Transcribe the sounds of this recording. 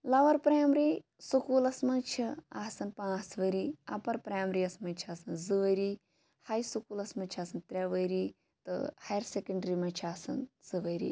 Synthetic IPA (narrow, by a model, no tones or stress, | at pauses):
lɐʋɐɾpɾaːmɾi | sukuːlɐsmɐ̃nt͡ʃʰia̰ːsɐnpãːt͡sʋɐɾiɐ̰pɐɾpɾaːmɾiɐsmɐnt͡ʃʰaːsɐnzɨʋɐɾiː | hɐjsukuːlɐsmɐnt͡ʃʰaːsɐnt̪ɾʲeʋɐjɾi | t̪ɨ̰hɐjɾsekɐɳɖɾimɐt͡ʃʰaːsɐnz̥ɨʋɐjɾḭː